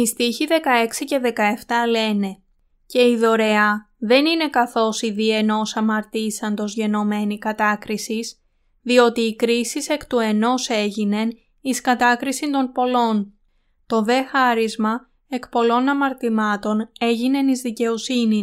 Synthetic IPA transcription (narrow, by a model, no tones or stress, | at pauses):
ist̪içiðe̞kɐe̞ksice̞ðe̞kɐe̞ft̪ɐle̞ne̞ | ce̞iðo̞ɾe̞ɐ | ðe̞nine̞kɐθo̞siðie̞no̞sɐmɐɾt̪isɐnd̪o̞zʝe̞no̞me̞nikɐt̪ɐkɾisis | ðio̞t̪iːkɾisise̞kt̪ue̞no̞se̞ʝine̞n | iskɐt̪ɐkɾisind̪o̞npo̞lo̞n | t̪o̞ðe̞xɐɾizmɐ | e̞kpo̞lo̞nɐmɐɾt̪imɐt̪o̞ne̞ʝine̞nizðice̞o̞sini